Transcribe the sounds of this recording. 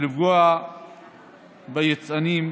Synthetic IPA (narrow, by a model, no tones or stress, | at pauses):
livɡua | bajet͡sanim